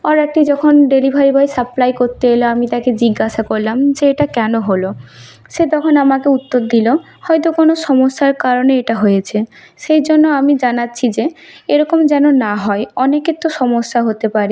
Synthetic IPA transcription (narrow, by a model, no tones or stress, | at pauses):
ɔɾɛk̚ʈid͡ʑɔkʰonɖeɾibʱaɾibʱajsaplajkoɾt̪eeloamit̪aked͡ʑiɡːaʃakoɾlamd͡ʑeeʈakɛnoɦolo | ʃet̪ɔkʰonamakeut̪ːoɾd̪ilo | hɔjt̪okonoʃɔmoʃːaɾkaɾoneeʈaɦojet͡ɕʰe | ʃejd͡ʑonːoamid͡ʑanatːɕʰid͡ʑeeɾɔkomd͡ʑɛnonaɦɔeɔneket̪ːoʃɔmoʃːaɦot̪epaɾi